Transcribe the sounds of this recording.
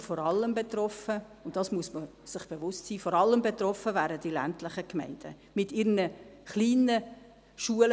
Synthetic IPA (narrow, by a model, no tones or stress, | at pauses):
fɔɾɑlːəmbetrɔfə | ʊntdɑsmuəsmə | sɪχb̥evʊstsiːfɔɾɑlːəmbetrɔfəvæːɾəd̥ilæ̰ntlɪχəkmɛ̰ɪnd̥ə | mɪtɪɾnəχliːnə | ʃuəl